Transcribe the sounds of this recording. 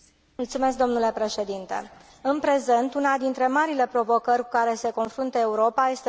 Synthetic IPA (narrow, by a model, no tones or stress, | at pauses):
mult̪sume̞s̬k̚d̪o̞mnule̞pɾe̞ʃe̞d̪int̪ḛ | ɨnpɾe̞ze̞nt̪unad̪int̪ɾe̞maɾile̞pɾo̞vo̞kərʲkukaɾe̞se̞ko̞nfɾunt̪əeuɾo̞paje̞st̪e